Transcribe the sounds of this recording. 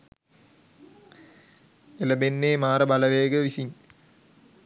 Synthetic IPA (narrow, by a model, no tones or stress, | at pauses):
elɐbenːeːmaːɾɐbɐlɐʋeːɡɐʋisin